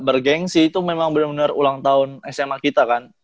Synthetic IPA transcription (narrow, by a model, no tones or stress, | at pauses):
bərɡɛŋsit̪umemaŋbənarbənarulaŋt̪aʊnɛsemakit̪akan